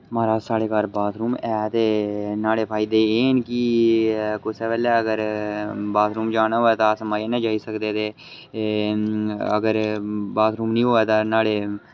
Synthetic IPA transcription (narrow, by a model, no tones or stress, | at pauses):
maːɾaːsaːɽeːkaːɾbaːt̪ʰɾuːmɛːt̪eːnaːɽeːpʰaːiːd̪eːeːnkiː | kʊsɛːʋɛːlɛːəɡəɾbaːt̪ʰɾuːmd͡ʒaːnaɦoːɛːt̪aːsəmaːjenə̃ːd͡ʒaːiːsəkd̪eːt̪eː | ə̰ɡəɾbaːt̪ʰɾuːmnĩːɦoːɛːt̪aːnaːɽeː